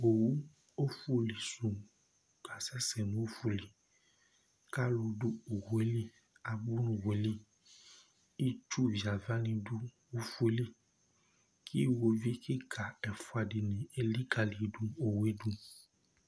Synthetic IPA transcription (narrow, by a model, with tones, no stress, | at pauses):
o˨wu˦ | o˦fu˦˨li˨sũ˨ | ka˨sɛ˦sɛ˨nũ˨˦o˦fu˦li˨ | ka˦lo˧du˦o˨wu˨˦e˦li˦ | a˨bu˦nũ˦wo˨˦li˦ | i˦t͡ʃu˦vi˨a˨va˦nĩ˧du˦ | o˦fu˦e˨˦li˦ | kʰi˦wo˧vi˦ki˦kʰa˨ɛ˨fu˨˦a˨di˨nĩ˨e˨li˦ka˨li˨˦dũ˦o˨we˦dũ˦